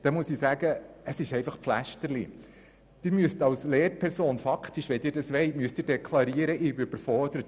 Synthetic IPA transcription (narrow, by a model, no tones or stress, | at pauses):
d̥ɛmuəsisæːɡəəsɪʃɛɪfɑχpflæʃtəɾlḭ | d̥ɪɾmyəstɑlsleːɾpʰɛɾsoːnfɑkχtiʃʋɛdɪːɾdɑsʋɛɪtmyəstdɪːɾdɛkʰlɑɾiəɾəʔɪyybəɾfɔɾd̥əɾət